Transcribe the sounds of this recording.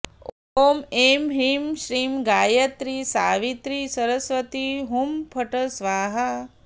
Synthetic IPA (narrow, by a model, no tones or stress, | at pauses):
oːmemɦimʃɾiːmɡaːjɐt̪ɾisaːʋit̪ɾisɐɾɐsʋɐt̪iɦumpʰɐʈɐsʋaːɦɐ